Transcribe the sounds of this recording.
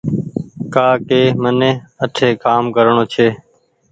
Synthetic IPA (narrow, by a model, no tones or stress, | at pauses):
kaːkeːmənẽːəʈʰeːkaːmkəɾɳoːt͡ʃʰeː